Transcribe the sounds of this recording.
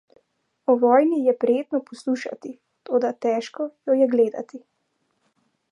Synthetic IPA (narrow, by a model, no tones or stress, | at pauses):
ɔʋɔːjnijɛpɾɛjeːt̪nɔpɔsluːʃa̰t̪i | t̪oːd̪at̪ɛːʃkɔjɔjɛɡleːd̪a̰t̪i